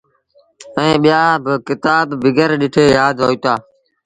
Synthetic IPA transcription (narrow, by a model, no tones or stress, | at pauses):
ɛ̃ːɓijaːbɪkɪt̪aːbːɪɡəɾɗɪʈʰeːjaːd̪ɦoːiːt̪aː